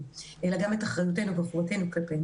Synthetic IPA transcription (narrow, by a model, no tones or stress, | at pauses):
ʔelaɡametaχʁajut̬e̞nuvaχuʁate̞nukepe